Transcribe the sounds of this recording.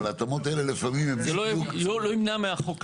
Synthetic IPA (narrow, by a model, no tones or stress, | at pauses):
lat̪omot̪aelelefamimemziloukoloimnameaχok